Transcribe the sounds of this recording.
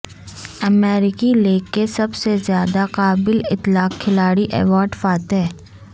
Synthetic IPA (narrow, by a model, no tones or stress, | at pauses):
ɐmɛːɾɪkileːkːesɐbsezjaːd̪aqaːbɪlɪt̪laːqkʰːɪlaːɽiʔɛ̰ːʋaːɾɖfaːt̪ɦɛː